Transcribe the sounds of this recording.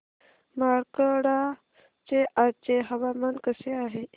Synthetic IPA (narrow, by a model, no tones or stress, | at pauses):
maɾkəɽa | t͡ɕeʔat͡ɕeɦəʋamankəseaɦe